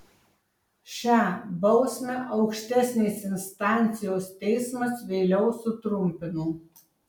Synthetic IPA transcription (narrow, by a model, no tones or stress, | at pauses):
ʃʲæːbɒʊsʲmʲɛʔɒʊkʃʲt̪ʲæsʲnʲesɪnst̪ɑˑnʲt̪sʲɪjoːst̪ʲɛɪsmɐsʋʲeːlʲɛʊsʊt̪ɾʊmʲpʲɪnuː